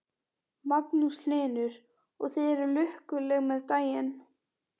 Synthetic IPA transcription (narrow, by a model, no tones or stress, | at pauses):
mapnuslɪːnʏɾ̥ | ɔɣθejɛɾʏlʏhkʏlɛɣmɛðt̪aːjɪn